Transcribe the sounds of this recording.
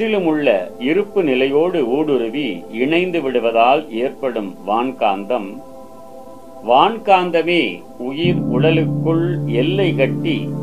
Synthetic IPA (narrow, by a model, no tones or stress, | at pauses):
ɪlɯmɯɭːɐɪɾɯpːɯnɪlɐjoːɽɯuːɽɯɾɯʋiɪɳɐɪnd̪ɯʋɪɽɯʋɐðaːleːrpɐɽɯmʋaːɳkaːnd̪ɐm | ʋaːnkaːnd̪ɐmeː | ʊjɪɾʊɽɐlɯkːɯɭɛlːɐɪkɐʈːi